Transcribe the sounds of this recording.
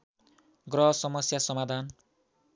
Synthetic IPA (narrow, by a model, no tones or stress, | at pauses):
ɡrʌɦʌsʌmʌsjasʌmad̪ʱan